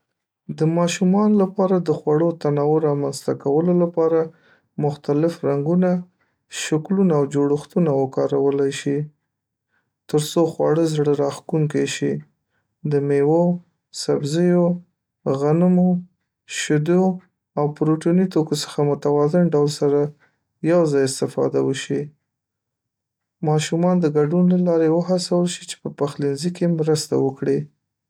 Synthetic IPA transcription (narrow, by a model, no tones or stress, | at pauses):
d̪əmɑʃumɑnolapɑɾad̪əxwaɽot̪anɑwoɾɑmanst̪akawəlolapɑɾa | mʊxt̪alɪfɾaŋɡuna | ʃaklunaːwd͡ʒoɽəxt̪unawəkɑɾawəlajʃi | t̪əɾsoxwɑ̰ɽəzɽəɾɑxk̪uŋkajʃi | d̪əmewo | sabzəjo | ɣanmo | ʃʊd̪o | awpɾoʈonit̪okosə̥xamʊt̪awɑzɪnɖawlsaɾa | jawzɑjɪst̪ɪfɑ̰d̪awəʃi | mɑʃumɑnd̪əɡaɖunlalɑɾewəɦasawəlʃit͡ʃe̥pəpaxlinzikemɾəst̪a̰wəkɽi